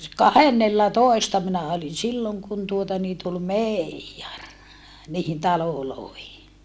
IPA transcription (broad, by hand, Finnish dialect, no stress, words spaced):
kɑhenːelːɑtoestɑ minæ olin̞ silːoŋ kun tuotɑ niː tul meˑijːɑr niːhin tɑloloˑehi